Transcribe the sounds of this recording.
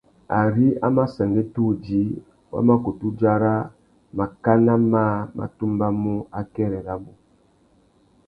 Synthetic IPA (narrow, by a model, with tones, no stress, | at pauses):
a̰˨ɾi˦a̰˦ma˦sɛ˨ŋɡɛ˦tu˦˨d͡ʒi˨˦ | wa̰˦ma˦ko˨tu˦d͡ʒa˦ɾa˦ | ma˨ka˦na˦maː˦˨ma̰˨tu˦mba˦mu˦a˦kɛ˦ɾɛ˨ɾa˦bu˨